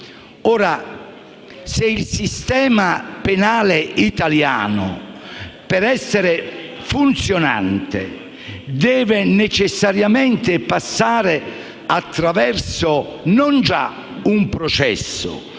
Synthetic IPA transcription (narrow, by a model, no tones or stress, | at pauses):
ɔːɾa | seilsist̪ɛːmapenaːleit̪alja̰ːnʊ̰ | pɛɾɛsːeɾɪ | funt̪sjona̰nt̪ḛ | d̪ɛːvɪnet͡ʃɪsːaɾjament̪ɪpasːaːɾɪ | at̪ːɾavɛrsʊnɔnd͡ʒa̰ | umpɾɔt͡ʃɛ̰sːʊ̰